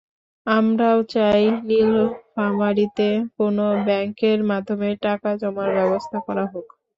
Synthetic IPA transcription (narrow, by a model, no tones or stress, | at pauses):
amɾaot͡ɕajnilfamaɾit̪ekonobɛŋkeɾmad̪ʱːomeʈakad͡ʑɔmaɾbɛbost̪ʰakɔɾaɦok